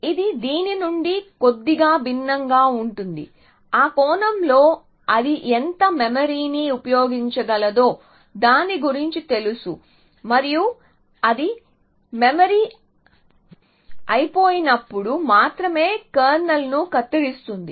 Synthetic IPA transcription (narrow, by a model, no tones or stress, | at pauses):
id̪id̪iːninuɳɖiko̞d̪ːiɡaːbʱinːɐŋɡaːuɳʈund̪ḭ | aːkɔːnɐmlo̞ː | ɐd̪iʔent̪ɐmemɐɾiːniupɐjoːɡiɲt͡ʃɐɡɐlɐd̪o̞ː | d̪aːnːiɡuɾiɲt͡ʃit̪e̞lusu | mɐɾiju | ɐd̪i | memɐɾiː | ɐjpo̞ːjinɐpːuɽumaːt̪ɾɐme̞ːkɐːɾnɐlnukɐt̪ːiɽist̪und̪i